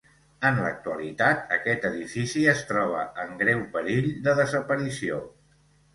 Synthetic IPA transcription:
ənlək̚t̪uəlit̪at̪̚əkɛt̪əðifisiəst̪ɾɔβ̞əəŋɡɾɛwpəɾiʎd̪əðəzəpəɾisio

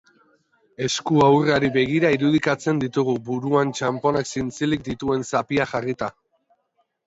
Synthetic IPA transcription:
e̞skuawraɾiβe̞ɣ̞iɾaiɾuð̞ikat͡se̞nd̪it̪uɣ̞ubuɾuant͡ʃampo̞naksint͡silik̚d̪it̪ue̞nsapiaxarit̪a

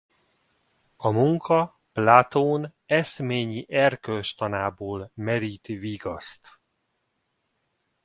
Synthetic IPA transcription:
ɒmuŋkʰɒ | plaːt̪oːnɛsmeːɲiʔɛrkølʃt̪ɒnaːboːlmɛɾiːt̪viɡɒst̪

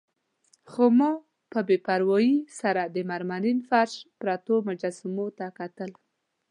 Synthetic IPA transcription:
xomɑ | pəbepaɾwɑjisaɾad̪əmaɾmalinfaɾʃpɾat̪omʊd͡ʒasɪmot̪akat̪əl

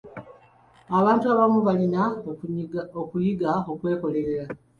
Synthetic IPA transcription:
aβaːntuaβamuβalina | okujiɡao̞kwe̞ːko̞le̞ɾe̞ɾa

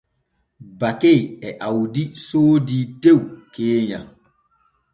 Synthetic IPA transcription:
bakeɛʔawdisoːditewkeːɲã̰

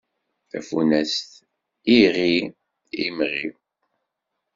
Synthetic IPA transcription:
θæ̰funæst̪ | iʁi | ḭmʁi

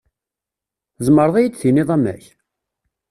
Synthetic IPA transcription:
zˤməɾðˤæjit͡sːθiniðˤæmæ̰ç

